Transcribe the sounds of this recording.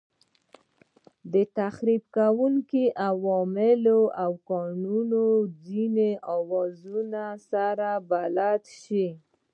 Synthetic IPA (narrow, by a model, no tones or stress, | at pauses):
d̪ət̪axɾibkawuŋkiʔawɔmɪloʔawkɑnunod͡zineʔɑwɑzunasaɾabalat̪ʃi